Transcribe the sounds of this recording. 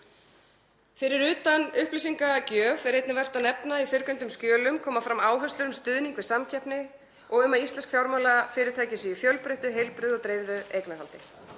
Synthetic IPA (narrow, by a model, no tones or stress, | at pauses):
fɪɾɪɾʏːt̪anʏhplisiŋkacœːvɛɾejt̪nɪvɛr̥t̪anɛpnaifɪɾkʏnt̪ʏmscjœːlʏmkʰɔːmafɾamːaːwɦœst̪lʏɾʏmst̪ʏːðniŋkvɪðsamcʰɛhpnɪ | ɔɣʏmaðist̪lɛnskfjawɾmalafɪːɾɪɾ̥t̪ʰaːjcɪsʏifjœlpɾeht̪ʏɦejlpɾʏðɔt̪ɾejvðʏejknahalt̪ɪ